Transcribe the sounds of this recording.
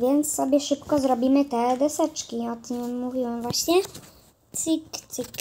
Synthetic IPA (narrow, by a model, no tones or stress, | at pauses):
vʲjɛnt̪ssɔbʲjɛʂɘpkɔzɾɔbʲimɘt̪ɛd̪ɛsɛt͡ʂkʲiɔt̪ːuvʲiwɛmvwaɕɲɛ | t̪sɨkt̪sɨk